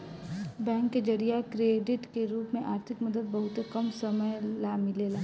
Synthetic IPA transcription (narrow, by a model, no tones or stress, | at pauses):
bɛ̃ːŋkːed͡ʒɐɾijakɾeːɖɪʈkeɾuːpmẽʔaːɾt̪ʰɪkmɐd̪əd̪̚bɐɦʊt̪ekɐmsɐməjlaːmileːlaː